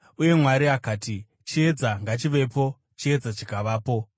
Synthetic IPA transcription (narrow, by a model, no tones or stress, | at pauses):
uje̞mwaɾiakaːti | t͡ʃie̞d͡zaŋɡat͡ʃiʋe̞po̞ | t͡ʃie̞d͡zat͡ʃikaʋaːpo̞